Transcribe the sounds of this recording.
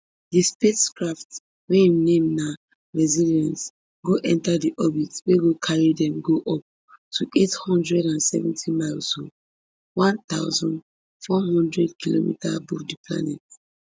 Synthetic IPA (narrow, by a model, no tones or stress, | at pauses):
dispeskɹaft | wɛ̃imnẽmna | ɹɛziliãns | ɡoʔɛ̃ntadiʔɔbitweɡokʰaɹidɛ̃mɡoʔɔp̚ | tʰuʔethɔ̃ndɹɛɾãnsɛ̰vɛ̃ntʰimaɪlso | wãnt̪aʊzɔ̃n | fɔɦɔ̃ndɹɛdkʰilo̰mḭta̰buldipʰla̰nɛt